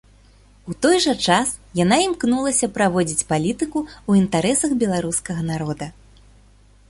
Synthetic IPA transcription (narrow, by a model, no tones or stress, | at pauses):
ut̪ɔjʐɐt͡ʂas | janaimknulˠɐsʲɐpɾavɔd͡zʲit͡sʲpalʲit̪ɨkuuint̪aɾɛsɐɣbʲɛlˠaɾuskɐɣɐnaɾɔd̪ɐ